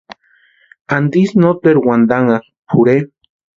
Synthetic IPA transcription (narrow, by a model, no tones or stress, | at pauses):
and̪isnot̪eɾwand̪aŋak | pʰuɾe